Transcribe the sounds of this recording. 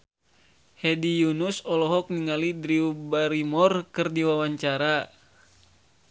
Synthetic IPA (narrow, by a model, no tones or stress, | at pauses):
hɛdijunusɔlɔɦɔk̚niŋalidɾiubaɾimɔrkɨrdiwawaɲt͡ʃaɾa